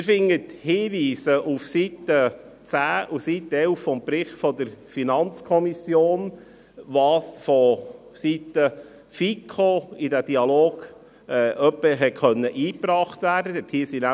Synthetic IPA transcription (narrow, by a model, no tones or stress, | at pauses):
ɪɾfɪŋːəthɪːʋiːsəʔufsit̪ə | t͡sæːufsit̪ːəɛlffɔmpɾɪχtfɔd̪əɾfinɑnt͡skʰɔmisjoːn | ʋɑːsfɔsit̪ə | fikʰoidæd̥iɑloːɡ̥ | ɛʔœpːəɦɛtχœnːəʔiːpɾɑːχt̪ʋæːɾdədɛthiːsinæ